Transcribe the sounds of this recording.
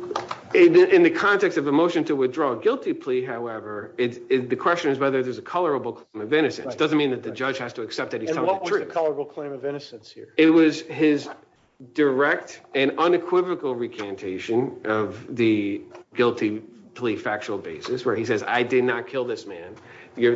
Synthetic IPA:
ɪ̃nðɨkʰɑ̃ntɛkstʌvəmoʊʃɨ̃ntʰəwɨθdɹɔəɡɪlˠtipʰl̥iɦaʊɛvə˞ɪtɪðɨkʰw̥ɛst͡ʃɨ̃nɨzwɛðə˞ðə˞zɨkʰʌlˠə˞əbl̩ˠkʰl̥ẽɪ̃mʌvɪ̃ñɨsɨ̰̃sd̥ʌzɨ̃nmĩnðɨt̪̚ðɨd͡ʒʌd̥ʒ̥hæz̥təːksɛp̚ðɨt̚hĩ̥ʌt̚wtʌɹ̥zʉɨkʰʌlˠə˞əbl̩ˠkʰl̥ẽɪ̃mʌvɪ̃nɨsɨ̃nshḭɹɪt̚wʌz̥ɪz | də˞ɛk̚tɨ̃nʌ̃nɨkʰw̥ɪvɨkl̩ˠɹikʰæ̃ntʰeɪʃɨ̃nʔʌvðɨɡɪlˠtʰipʰl̥ifæk̚t͡ʃul̩ˠbeɪsɨswə˞is̬ɛza̰ɪdɨdⁿnət̚kʰɪlˠðɪsmæ̃n | jə˞

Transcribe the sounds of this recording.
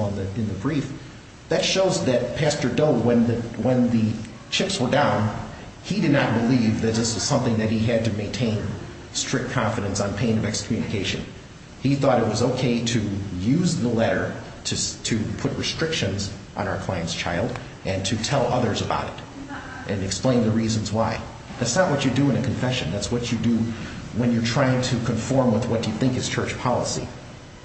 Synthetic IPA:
ə̃nðɨɨ̃nðɨbɹif | ðɨtʃoʊzðɨt̚pʰæstə˞doʊwə̃nðɨwə̃nðɨ | t͡ʃʰɪpswə˞dãʊ̃n | idɨdⁿnət̚b̥əlivðɨt̪̚ðɪswʌz̥sʌ̃mθɪ̃ŋðɨt̚hiɨd̚tɨmẽɪ̃ntʰẽɪ̃n | stɹ̥ɪk̚kʰɑ̃ɱfɨɾɨ̃nsn̩pʰẽɪ̃nʌvɛkskʰmjʉnɨkʰeɪʃɨ̰̃n | iθɔɾɨt̚wʌzoʊkʰeɪɾɨjʉzðəlɛɾə˞ | ɾɨsɾʰɨpʰʊt̚ɹɨstɹ̥ɪkʃɨ̃nz | ʔñ̩aʊə˞kʰl̥aɪɨ̃ntst͡ʃʰaɪlˠd | ʔɨ̃ntʰɨtʰɛlˠʔʌðə˞zəba̰ʊɾɨɾ | ʔɨ̃nɨksplẽɪ̃nðɨɹizɨ̃n̩zwaɪ | ðætsnəʔ̚wʌt͡ʃə˞dɨɨ̃nɨkʰɨ̃ɱfɛʃɨ̃nðætswʌt͡ʃɨdɨwə̃njə˞tʰɹ̥aɪɪ̃ŋtʰɨkʰɨ̃ɱfɔɹmwəðwʌt̚d̥ɨjɨθɪ̃ŋkɨz̥t͡ʃʰɜ˞t͡ʃpʰɑlˠəsḭ

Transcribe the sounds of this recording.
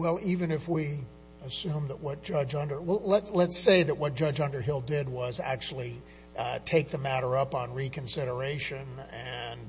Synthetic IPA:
wɛlˠivɨ̃nɨfwi | ɨsʉ̃mðəʔ̚wʌt̚d̥ʒ̥ʌd͡ʒʌ̃ndə˞wɛlˠlətslətseɪðɨʔ̚wʌt̚d̥ʒ̥ʌd͡ʒʌ̃ndə˞ɦɪlˠdɪd̚wʌzæ̰k̚t͡ʃul̩ˠi | tʰeɪk̚ðɨmæɾə˞ʌpn̩ɹikʰɨ̃nsɪɾə˞eɪʃɨ̃nɨ̃n

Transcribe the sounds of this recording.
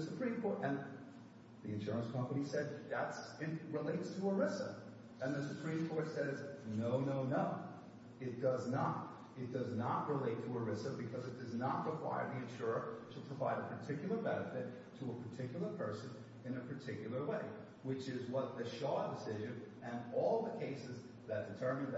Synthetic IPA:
səpʰɹ̥ĩmkʰɔɹɾɨ̃n | ðiɨ̃nʃʊɹə̃nskʰʌ̃mpənisɛd̪̚ðætsɪtɹɪleɪtstʰəə˞ɪsə̰ | ɨ̃nðɨsɨpʰɹ̥ĩmkʰɔɹtsɛznoʊnoʊnoʊ | ɨt̚d̥ʌznət̚ | ɨt̚d̥ʌznəʔ̚ɹɪleɪtʰəə˞ɪsəbɨkʰʌzɨt̚d̥ʌznət̚ɹəkʰw̥a̰ɪə̰˞ðiɨ̃nʃʊɹətʰəpʰɹ̥əvaɪɾɨpʰə˞tʰɪkjl̩ˠə˞bɛnɨfɪtʰəəpʰə˞tʰɪkjl̩ˠə˞pʰɜ˞sɨ̃n | ɨ̃nɨpʰə˞tʰɪkjl̩ˠə˞weɪ | wɪt͡ʃɪzwʌt̪̚ðɨʃɔd̥ɨsɪʒɨ̃n | ɨ̃nɔlˠðəkʰeɪsɨz | ðɨt̚d̥ɨtʰɜ˞mɨ̃n

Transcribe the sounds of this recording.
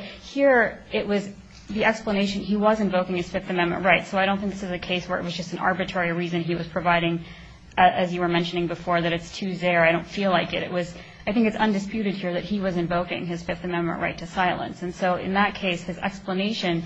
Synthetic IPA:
hiɹɪʔ̚wʌz | ðiɛkspləneɪʃɨ̃niwʌzɨ̃ɱvoʊkɪ̃ŋɨz̥fɪfθɨmɛ̃nmɨ̰̃nʔɹaɪtsoʊaɪɾõʊ̃θɪ̃k̚ðɪsɨzɨkʰeɪswə˞ɨʔ̚wʌzd͡ʒʌstn̩ɑ̰ɹbɨtʰɹ̥ɛɹiɹizɨ̃niwʌz̥pʰɹ̥ɨvaɪɾɪ̃ŋ | ʔɨzjɨwə˞mɛ̃nʃɨnɪ̃ŋbɨfɔɹðɨɾɨtstʰʉzɛɹaɪɾõʊ̃ntfilaɪkɨɾɨ̰ʔ̚wʌz | aɪθɪ̃ŋkɨtsʌ̃ndɨspjʉɾɨd̚hiɹðɨt̚hiwʌzɨ̃ɱvoʊkɪ̰̃ŋɨz̥fɪfθɨmɛ̃nmɨ̰̃nʔɹʔaɪtʰɨsaɪlˠə̰̃nsɨ̃nsoʊɪ̰̃nðət̚kʰeɪshɨzɛ̰kspləneɪʃɨ̃n

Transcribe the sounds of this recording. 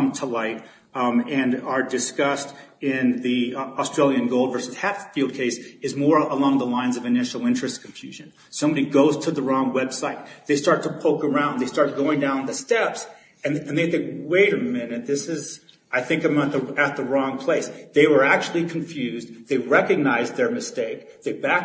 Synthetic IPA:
mtʰəlaɪɾ | ɨ̃nə˞dɨskʌstɪ̃nðiəstɹ̥eɪlˠjɨ̃nɡoʊlˠdvɜ˞sɨz̥hæfilˠd̚kʰeɪsɨzmɔɹəlɔ̃ŋðəlãɪ̃nzʌvɨnɪʃl̩ˠɪ̃nt͡ʃɹ̥ɨskʰɱfjʉʒɨ̃n | sõmbɑɾiɡoʊz̥tʰɨðəɹɔ̃ŋwɛb̥saɪt̪̚ðeɪstɑɹtʰəpʰoʊkə˞ãʊ̃nðeɪstɑɹt̚ɡ̥oʊɪ̃ŋdãʊ̃nðɨstɛps | ɨ̃nɨ̃nððɨweɪɾə˞mɪ̃nɨt̪̚ðɪsɨz | aɪθɪ̃ŋkãɪ̃mət̪̚ðɨɨt̪̚ðəɹɔ̃ŋpʰl̥eɪsðeɪwə˞æk̚t͡ʃʉl̩ˠikʰɨ̃ɱfjʉzðeɪɹɛkɨɡ̚naɪzðə˞mɨsteɪk̚ðeɪbæk̚

